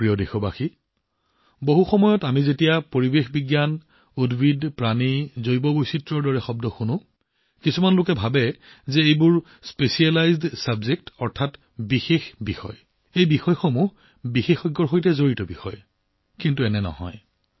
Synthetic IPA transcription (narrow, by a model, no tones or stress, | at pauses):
pɹiɔdexɔbaxi | boɦuxɔmɔjɔtamizetijapoɹibexbiɡjan | udbʱidpɹanizojbɔbojsitɹɔɹdɔɹɛxɔb̚dɔxunʊ̃ | kisumanlʊkɛbʱabɛzɛejbʊɹ | spesialajzdsabzek̚tɔɹtʰat | bixexbixɔ̰j | ejbixɔjxomuɦ | bixexɔjɡːɔɹxojtɛzoɹitɔbixɔ̰j | kintuɛnɛnɔ̰ɦɔ̰j